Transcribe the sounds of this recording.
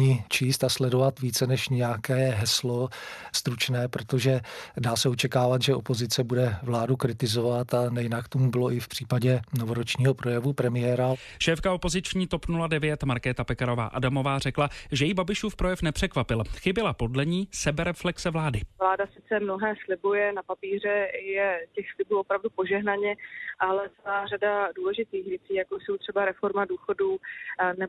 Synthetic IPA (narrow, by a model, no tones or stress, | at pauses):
ɲit͡ʃiːst̪aslɛdovat̪viːt͡sɛnɛʃɲɛjakɛːɦɛslost̪ɾut͡ʃnɛːpɾot̪oʒɛdaːsɛot͡ʃɛkaːvat̪ʒɛo̞po̞zɪt͡sɛbudɛvlaːdukɾɪt̪ɪzovat̪anɛjɪnakt̪omubɪlo̞ʔɪfpr̝̥iːpaɟɛnovoɾot͡ʃɲiːɦo̞pɾo̞jɛvupɾɛmɪɛɾa | ʃɛːfkao̞po̞zɪt͡ʃɲiːt̪opnuladɛvjɛt̪maɾkɛːt̪apɛkaɾo̞va̰ːʔa̰damo̞vaːr̝ɛklaʒɛjibabɪʃuːfpɾojɛfnɛpr̝̥ɛkvapɪlxɪbɪlapo̞dlɛɲiːsɛbɛɾɛflɛksɛvlaːdɪvlaːdasɪt͡sɛmnoɦɛːslɪbujɛnapapiːr̝ɛjɛcɛxslɪbuːopɾavdupo̞ʒɛɦnaɲɛʔalɛt͡sɛlaːradaduːlɛʒɪt̪iːxvjɛt͡siːjakojso̞wt̪r̝̥ɛbaɾɛfo̞ɾmaduːxo̞duːnɛ